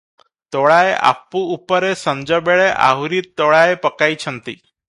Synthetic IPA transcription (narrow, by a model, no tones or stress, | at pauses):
t̪oɭaeʔa̰pːuːpəɾesə̃ɲd͡ʑəbeɭeʔa̰ɦuɾiːt̪ːoɭaepəkait͡ɕʰənt̪ḭ